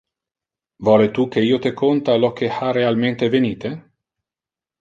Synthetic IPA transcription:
vɔːlet̪uk̟ːeiːot̪ekʰont̪alɔk̟ːeharealment̪eveniːt̪e

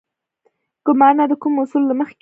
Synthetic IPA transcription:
ɡ̥ʊlmɑnad̪əkumʊsulːaməxk

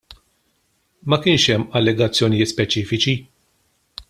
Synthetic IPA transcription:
mɐkɪːnʃɛmːɐlːɛɡɐt͡sːjɔnɪjɪːt̪spɛt͡ʃiːfɪt͡ʃi

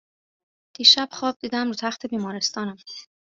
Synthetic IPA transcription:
d̪̥iːʃæb̥xɒːb̚d̪iːd̪æmɾuːt̪ʰæxt̪ʰe̞biːmɒːɾest̪ʰɒːnæm

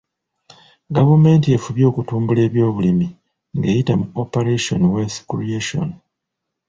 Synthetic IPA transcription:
ɡavume̞ːntie̞fuβjo̞ːkutuːmbule̞ːβjo̞ːβulimi | ŋɡe̞ːjitamuopeɾeʃo̞nweskɾieʃo̰n

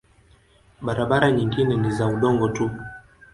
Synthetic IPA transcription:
ɓaɾaɓaɾaɲiŋɡinɛnizauɗɔŋɡɔtu

